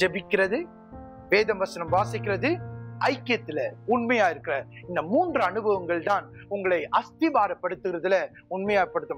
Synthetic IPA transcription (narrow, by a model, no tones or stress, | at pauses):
d͡ʒɛbɪkːɪrɐðɯ | ʋeːðɐmʋɐsɐnɐmʋaːsɪkːɪrɐðɯɐɪkːɪjɐt̪ːɪlɐʊɳmɐjaːjɪɾɯkːɪrɐɪnd̪ɐmuːndrɐɐnɯbɐʋɐŋɡɐɭt̪aːnʊŋɡɐɭɐɪʔɐst̪ɪbaːɾɐpːɐɽɯt̪ːɯɣɪɾɐðɪlɐ | ʊɳmɐjaːpːɐɽɯt̪ːɐm